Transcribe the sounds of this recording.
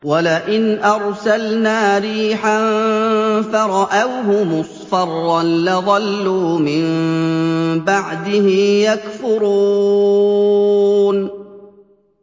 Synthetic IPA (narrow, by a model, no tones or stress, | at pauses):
walaʔɪnʔɑɾˤsalnaːɾiːħan | faɾˤɑʔawɦʊmʊsˤfɑrˤːɑnlɪðˤɑlːuːmɪm | baʕd̪ɪhɪmjakfʊɾuuː | n